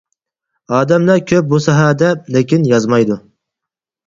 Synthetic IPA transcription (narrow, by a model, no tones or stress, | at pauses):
ɑːd̪æmlæɾkʲʰøp̚busɑɦad̪ɛlekʲinjɑzmɑjd̪ʊ